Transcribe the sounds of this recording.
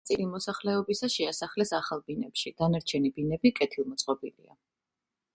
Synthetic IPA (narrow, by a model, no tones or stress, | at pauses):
t̪sʼilimɔsaχlɛɔbisaʃɛasaχlɛsaχalˠbinɛpʃid̪̥anaɾt͡ʃʰɛnibinɛbikʼɛt̪ʰilˠmɔt̪sʼqʼɔbilḭa̰